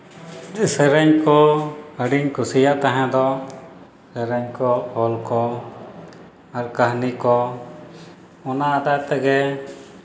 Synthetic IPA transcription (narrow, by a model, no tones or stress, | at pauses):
d͡ʒsəɾəɲkɔəɖiɲkusijaʔt̪aɦãd̪ɔ | səɾəɲkɔhɔlkɔ | aɾkaɦnikɔ | ɔnaːd̪ajt̪ɛɡɛ